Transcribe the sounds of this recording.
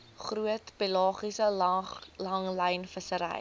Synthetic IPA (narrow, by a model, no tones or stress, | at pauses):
χruətpilɑːχisə | lɐŋlɛjnfəsəɾɛ̰j